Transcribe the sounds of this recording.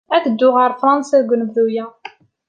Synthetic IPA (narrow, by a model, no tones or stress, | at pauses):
æθəd̪ːʊʁəɾˤfɾˤɑnsæðɡʷnəvðujæ